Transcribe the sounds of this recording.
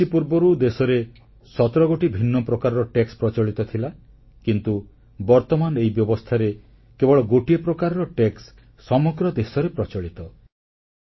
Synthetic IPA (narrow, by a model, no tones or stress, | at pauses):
ipuɾbɔɾud̪esɔɾe | sɔt̪ɾɔɡoʈibʱinːɔpɾɔkaɾɔɾɔʈekspɾɔt͡ʃɔɭit̪ɔt̪ʰila | kint̪u | bɔɾt̪ɔmanɔeɦibjɔbɔst̪ʰaɾe | kebɔɭɔɡoʈiepɾɔkaɾɔɾɔʈeksː | ɔmɔɡɾɔd̪esɔɾepɾɔt͡ʃɔɭit̪ɔ